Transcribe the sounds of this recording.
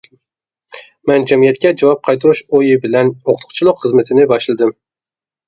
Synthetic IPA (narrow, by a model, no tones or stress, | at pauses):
mand͡ʒamijat̪̚kʲad͡ʒavɒp̚qʰɑjt̪ʰʊɾɪʃojɪbɪlanoqt̪ʰʊ̥qt͡ʃʰɪlˠɪqχɨzmet̪ʰɪnɪbɒʃlɪd̪ɪm